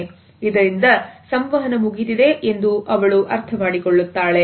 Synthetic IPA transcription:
id̪ɐɾind̪ɐsɐmʋɐɦɐnɐmuɡit̪id̪e̞ʔend̪uʔɐʋɐɭuʔɐɾt̪ʰɐmaːɽikɔɭːut̪ːaːɭe̞

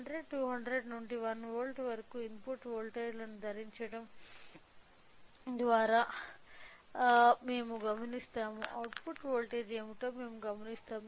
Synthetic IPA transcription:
ɐɳɖɾeɖʈuːɦɐɳɖɾeɖnuɳʈiʋɐnʋoːlʈʋɐɾɐkuːinpuʈːʋoːlʈeːlɐnud̪ʱɐɾiɲt͡ʃɐɽɐm | d̪ʋaːɾaː | me̞ːmuɡɐmɐnist̪aːmuʔɐwʈpuʈʋoːlʈeːɖeːmiʈoːme̞ːmuɡɐmɐnist̪aːmu

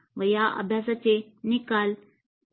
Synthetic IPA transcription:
ʋɐjaʔɐ̰bʱjaːsat͡ʃe | nikal

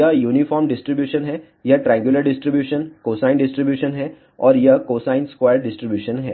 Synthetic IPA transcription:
jɐjuːnifɔːɾmɖɪsʈɾibjuːʃənɦɛ | jaʈɾɛ̃ŋɡjuləɾɖɪsʈɾibjuːʃənkoːsãɪnɖɪsʈɾibjuːʃənɦɛ | ɔ̰ːɾjakoːsãːɪnskwaːjəɾɖɪsʈɾibjuːʃənɦɛ̰ː

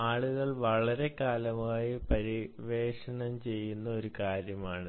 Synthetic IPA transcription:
aːɭuɣɐɭʋɐɭɐɾe̞kaːlɐmaːjipɐɾiʋe̞ːʂɐɳɐmt͡ɕe̞jːunːɐo̞ɾukaːɾjɐmaːɳɨ

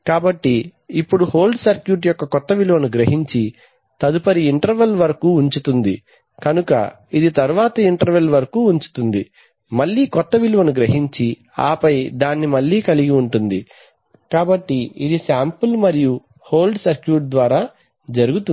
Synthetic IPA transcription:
kaːbɐʈːiːpːuɽuho̞ːlɖsɐɾkjuːʈ̬jɔkːɐkɔt̪ːɐʋiluʋɐnuɡɾɐɦiɲt͡ʃi | t̪ɐd̪upɐɾiːɳʈɐɾʋɐlʋɐɾɐkuːɲt͡ʃut̪und̪i | kɐnukɐ̰ | id̪it̪ɐɾuʋaːt̪ɐiɳʈɐɾʋɐlʋɐɾɐkuːuɲt͡ʃu̥t̪und̪i | mɐɭːiːkɔt̪ːɐʋiluʋɐnuɡɾɐɦiɲt͡ʃi | a̰ːpɐjd̪aːnːimɐɭːiːkɐliɡiuɳʈund̪i | kaːbɐʈːiid̪isaːmpulmɐɾiju | ho̞ːlɖsɐɾkjuːʈ̚d̪ʋaːɾaː | d͡ʒɐɾuɡut̪u

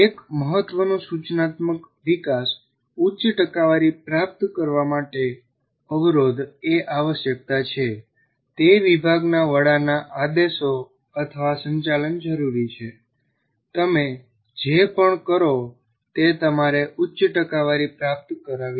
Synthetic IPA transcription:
ekməɦət̪ʋənõsut͡ʃnat̪mək | ʋikas | utːt͡ʃʈəkaʋaɾipɾap̚t̪kəɾʋamaʈe | əʋɾod̪eʔaʋəʃjək̚t̪at͡ʃʰe | t̪eʋibʱaɡnaʋəɽanaʔad̪eso | ət̪ʰəʋasə̃ɲt͡ʃalənd͡ʒəɾuɾit͡ʃʰe | t̪əme | d͡ʒepəɳkəɾo | t̪et̪əmaɾeʔutːt͡ʃʈəkaʋaɾipɾap̚t̪kəɾaʋi

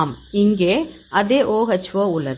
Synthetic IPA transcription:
mɪŋɡeː | ɐðeːʔoːɣɐt͡ʃːʋoːʊlːɐð

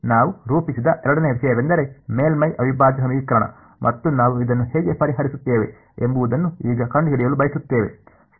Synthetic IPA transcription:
naːʋuɾuːpisid̪ɐʔɛɾɐɽɐneːʋisɐjɐʋend̪ɐɾe̞meːlmɐjʔɐʋʱibaːd͡ʒɐsɐmiːkɾɐɳɐ̰ | mʔɐt̪ːunaːʋuid̪ɐnːuɦeɡepɐɾiɦɐɾisut̪ːeːʋe̞̰ | embuʋud̪ɐnːuiːɡɐkɐɳɖɡiɽijɐlubɐjisut̪ːeːʋe̞̰

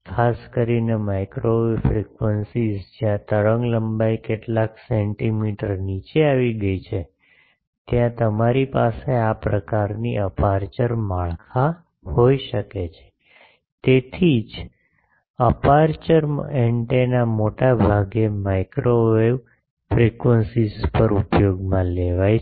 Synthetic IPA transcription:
kʰaskəɾinemajkɾoʋeʋfɾikʋənsizd͡ʒjãt̪əɭəŋɡləmbajkeʈlakseɳʈimiʈəɾnit͡ʃeaʋiɡəjt͡ʃʰe | t̪jãt̪əmaɾipaseapɾəkaɾniʔəpaɾt͡ʃəɾmaɭkʰa | hoiʃəket͡ʃʰe̥ | t̪et̪ʰid͡ʒ | əpaɾt͡ʃəɾeɳʈenamoʈabʱaɡemajkɾʔoʋeʋ | fɾikʋənsizpəɾupjoɡmãleʋaj

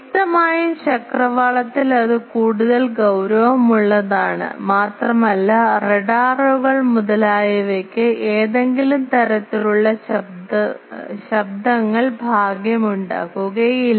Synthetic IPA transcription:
t̪ːɐmaːjɐɕɐkrɐʋaːɭɐt̪ːilɐðɨkuːɽuðɐlɡɐwɾɐʋɐmuɭːɐðaːɳɨ̰maːt̪rɐmɐlːɐreɖaːroɣɐɭmuðɐlaːjɐʋekːɨeːðe̞ŋɡilumt̪ɐɾɐt̪ːiluɭːɐɕɐb̚d̪ɐɕɐb̚d̪ʱɐŋːɐɭbʱaːɡjɐmuɳɖa̰ːɣuɣɐjil

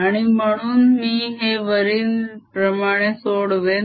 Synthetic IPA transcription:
aɽ̃iməɳunmĩɦeːʋəɾinpɾɐmaːɽ̃esoːɽʋeː

